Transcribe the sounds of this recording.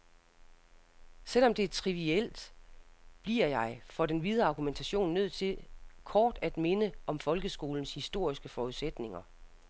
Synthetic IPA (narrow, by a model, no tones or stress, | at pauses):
sel̰ɒ̽md̥e̝æɐt͡sʰʁiʋiel̰d̥ | b̥liɐ̰jɑ̈ɪfɒ̽d̥enʋið̞ˠɐɑ̈ɡ̥ument͡sʰæɕo̝̰ːnːøð̞̰ˠt͡sʰe̝lkʰɒːd̥æd̥me̝nəʔɒ̽mfɒ̽lɡ̥əsɡ̥o̝ːln̩shisd̥o̝ɐ̰isɡ̥əfɒuðˠsed̥ne̝ŋɐ